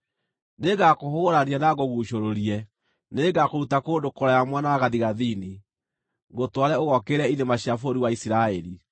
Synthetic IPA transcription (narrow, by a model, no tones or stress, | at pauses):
neɡakohoɣoɾanianaɣoɣuːɕoɾoɾiɛ | neɡakoɾutakoːdokoɾajamwanaɣaðiɣaðini | ɡotwaɾɛoɣɔkeɾɛinemaɕjafoɾiwaisiɾaɛɾi